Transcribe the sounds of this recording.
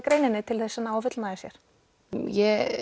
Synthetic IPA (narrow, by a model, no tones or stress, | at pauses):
kɾeːjnɪnːɪt̪ʰɪlθɛsːɪnaːwfʏt̪lnaðɪsjɛɾ̥ | jɛ